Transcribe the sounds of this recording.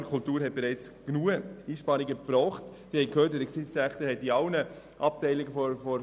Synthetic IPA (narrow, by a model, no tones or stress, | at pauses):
əkʰʊltuːɾɦɛt̚b̥eɾɛɪt͡sɡ̥nuːəiːʃpɑːɾiɡəb̥ɾɔːχt | d̥ihɛɪkʰhøːtdɛəksɪsæχtəhɛt̚iɑʊnə | ʔɑp̚tɛɪlɪɡəfɔfɔɾ